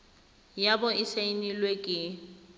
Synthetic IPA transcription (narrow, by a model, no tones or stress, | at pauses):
jabʊɪsainilwekʼɪ